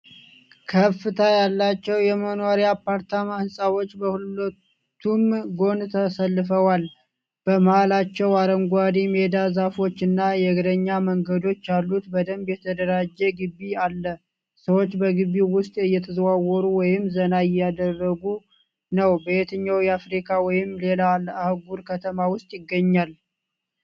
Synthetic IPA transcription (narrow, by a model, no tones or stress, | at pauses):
kʰəfːɨt̪ʰajalːat͡ʃːɛwjɛmənoɾijapaɾt̪ʰamahɨnsʼawo̞t͡ʃːbəhululət̪ʰː | umɡo̞nt̪ʰəsəlːɨfəwal | b̥əmhalat͡ʃːɛwaɾəŋɡʷad̪imed̪azafo̞t͡ʃːɨnːajɛɡɾəɲːaməŋɡəd̪o̞t͡ʃːjalːut̪bəd̪əmbjɛt̪ʰəd̪əɾad͡ʒːɛɡɨbːialːə | səwo̞t͡ʃːbəɡɨbːiwʊst̪ʼɨjːɛt̪ʰəzwawɔɾuwɔjɪmzənaɪjad̪ərːəɡu | nəwbəjet̪ʰɨɲːawjɛafɾikʰawɔjɪmle̞laləahɡuɾkʰət̪ʰəmawʊst̪ʼjɪɡːəɲːal